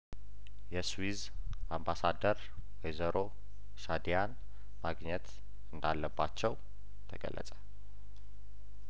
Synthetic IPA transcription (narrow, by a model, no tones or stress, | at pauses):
jɛswiz | ambasad̪əɾ | wezəɾʔo̞ | ʃad̪ijan | maɡɲɛt̪ | ɨnd̪alːəbːat͡ʃːɛw | t̪ʰəɡə̰lːə̰t͡sʼə̥